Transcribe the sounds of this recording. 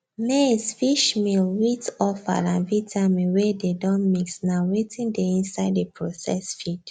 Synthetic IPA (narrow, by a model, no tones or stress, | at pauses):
nesfiʃmilwitɔfa̰lãnvitʰamĩnwededɔ̃nmiksnawetʰĩndeĩnsaɪdepʰɹosɛ̰sfid